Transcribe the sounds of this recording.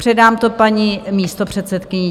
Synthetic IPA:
r̥ɛdaːmt̪opaɲiːmiːst̪o̞pr̝̥ɛt̪sɛt̪kɪɲɪ

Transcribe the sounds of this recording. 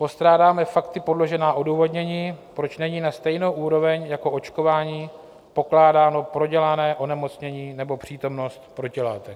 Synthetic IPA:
po̞st̪ɾaːdaːmɛfakt̪ɪpo̞dlo̞ʒɛnaːʔo̞duːvo̞dɲɛɲiːpɾo̞t͡ʃnɛɲiːnast̪ɛjno̞wʔuːɾo̞vɛɲjako̞ʔo̞t͡ʃko̞vaːɲiː | po̞klaːdaːno̞pɾo̞ɟɛlanɛːʔo̞nɛmo̞t͡sɲɛɲiːnɛbo̞pr̝̥iːt̪o̞mno̞st̪pɾo̞cɪlaːt̪ɛ

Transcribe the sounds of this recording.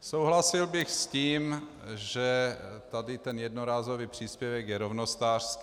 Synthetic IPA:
sowɦlasɪlbɪxsciːm | ʒɛt̪adɪt̪ɛnjɛdnoɾaːzoviːpr̝̥iːspjɛvɛkjɛɾovnost̪aːr̥skː

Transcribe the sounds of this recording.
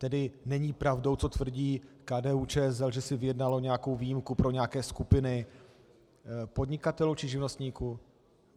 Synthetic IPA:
t̪ɛdɪnɛɲiːpɾavdo̞wt͡so̞t̪vr̩ɟiːkaːdɛːut͡ʃɛːzɛlʒɛsɪvɪjɛdnalo̞ɲɛjako̞wviːjimkupɾo̞ɲɛjakɛːskupɪnɪ | po̞dɲɪkat̪ɛlut͡ʃɪʒɪvnost̪ɲiːku

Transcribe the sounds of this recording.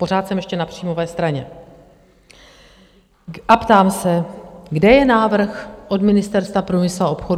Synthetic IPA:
po̞ɾaːt̪sɛmjɛʃcɛnapr̝̥iːmovɛːst̪ɾaɲɛ̰ | ʔapt̪aːmsɛɡdɛjɛnaːvr̩xʔo̞dmɪnɪst̪ɛɾst̪vapɾumɪslao̞pxo̞d

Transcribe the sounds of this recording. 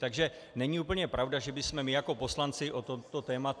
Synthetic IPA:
t̪aɡʒɛ | nɛɲiuːpəɲɛpɾʔavwdaʒɛbɪsmɛmɪjako̞po̞slant͡sɪʔot̪omt̪ot̪ɛːmat

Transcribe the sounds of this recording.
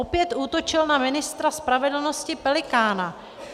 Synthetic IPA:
opjɛt̪ʔuːt̪o̞t͡ʃɪlnamɪnɪst̪ɾaspɾavɛdl̩no̞scɪpɛlɪkaːna

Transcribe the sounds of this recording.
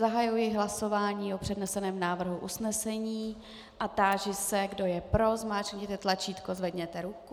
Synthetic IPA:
zaɦajujjɪɦlaso̞vaːɲiːʔopr̥ɛdnɛsɛnɛːmnaːvr̩ɦuʔusnɛsɛɲiː | ʔat̪aːʒɪsɛɡdo̞jɛpɾo̞zmaːt͡ʃɲɛt̪ɛt̪lat͡ʃiːt̪kozvɛdɲɛt̪ɛɾuku

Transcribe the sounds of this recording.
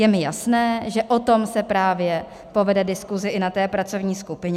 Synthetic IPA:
jɛmɪjasnɛːʒɛʔot̪o̞msɛpɾaːvjɛ | po̞vɛdɛdɪskuzɪʔɪnat̪ɛːpɾat͡so̞vɲiːskupɪɲɛ

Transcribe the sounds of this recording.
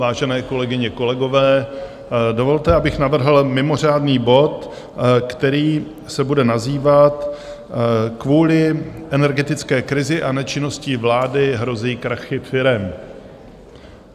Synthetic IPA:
vaːʒɛnɛːko̞lɛɡɪɲɛko̞lɛɡo̞vɛː | do̞vo̞lt̪ɛʔabɪxnavr̩ɦl̩mɪmo̞r̝aːdniːbo̞t̪ | kt̪ɛɾiː | sɛbudɛnaziːvat̪ | kvuːlɪʔɛnɛɾɡɛt̪ɪt͡skɛːkɾɪzɪʔanɛt͡ʃɪno̞sciːvlaːdɪɦɾo̞ziːkɾaxɪfɪɾɛm

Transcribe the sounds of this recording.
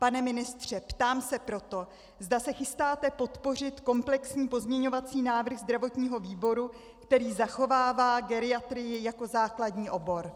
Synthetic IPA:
panɛmɪnɪst̪r̝̥ɛpt̪aːmsɛpɾo̞t̪o̞ | zd̪asɛxɪst̪aːt̪ɛpo̞t̪po̞r̝ɪt̪ko̞mplɛksɲiːpo̞zmɲɛɲo̞vat͡siːnaːvr̩ɣzd̪ɾavo̞t̪ɲiːɦo̞viːbo̞ɾu | kt̪ɛɾiːzaxo̞vaːvaːɡɛɾɪat̪ɾɪjɪjako̞zaːkladɲiːʔo̞bo̞ɾ

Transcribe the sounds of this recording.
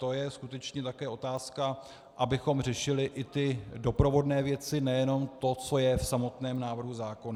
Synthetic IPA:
t̪o̞jɛskut̪ɛt͡ʃɲɛt̪akɛːʔo̞t̪aːska | ʔabɪxo̞mr̝ɛʃɪlɪʔɪt̪ɪdo̞pɾo̞vo̞dnɛːvjɛt͡sɪnɛjɛno̞mt̪o̞t͡so̞jɛfsamo̞t̪nɛːmnaːvr̩ɦuzaːko̞na

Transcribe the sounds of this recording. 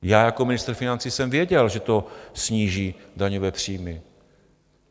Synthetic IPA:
jaːjakomɪnɪst̪ɾ̩fɪnant͡siːsɛmvjɛɟɛlʒɛt̪osɲiːʒiːdaɲovɛːpr̝̥iːmɪ

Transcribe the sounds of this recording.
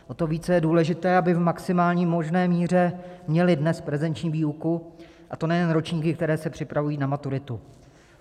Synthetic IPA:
ʔo̞t̪o̞viːt͡sɛjɛduːlɛʒɪt̪ɛːabɪvmaksɪmaːlɲiːmo̞ʒnɛːmiːr̝ɛmɲɛlɪdnɛspɾɛvɛnt͡ʃɲiːviːuku | ʔat̪o̞nɛjɛnɾot͡ʃɲiːkɪk̚t̪ɛɾɛːsɛpr̝̥ɪpɾavujiːnamat̪uɾɪt̪u

